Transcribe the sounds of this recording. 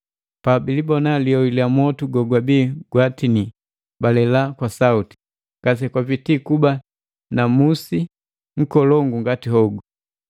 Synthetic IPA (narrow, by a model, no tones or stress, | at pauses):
pabilibɔnaliɔwiliamɔtuɡɔɡwabiːɡwatini | balɛlakwasauti̥ | kas̬ɛkwapitikuba | namusi | ŋ̩kɔlɔŋɡuŋɡatihɔɡu